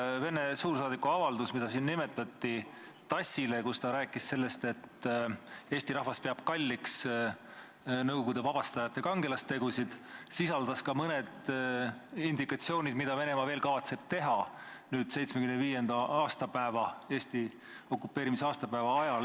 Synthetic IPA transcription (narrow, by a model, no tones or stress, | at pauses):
ve̞ne̞suːɾsɑːd̪ikːuɑvɑld̪usmid̪ɑsiːnnime̞t̪ːˑɑt̪ˑːi | t̪ɑsʲːile̞kust̪ɑɾæːkːˑisse̞lːe̞st̪e̞t̪ː | e̞ːsʲt̪iɾɑhvɑspeɑb̥̚kɑlʲːiks | nɤwɡoɡ̥ud̪e̞vɑb̥ɑst̪ɑjɑt̪ːˑe̞kɑŋɡ̥e̞lɑst̪e̞ɡusid̪̥sisɑld̪̥ɑskɑmɤne̞d̪̥ | ind̪ikːˑɑt̪sio̞ːnʲid̪̥mid̪̥ɑve̞ne̞mɑve̞ːlkɑvɑt̪se̞b̥̚t̪e̞ɦɑ | nyːd̪̥sejt̪smekymenviːje̞nd̪̥ɑɑːst̪ɑpæevɑe̞ːst̪i | o̞kːˑupːe̞ːɾimisɑːst̪ɑpæːvɑɑjɑl